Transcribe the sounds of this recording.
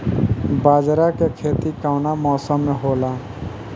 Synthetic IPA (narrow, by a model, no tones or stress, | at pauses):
baːd͡ʒɾakekʰet̪ikaʊnamɔːsəmːeɦola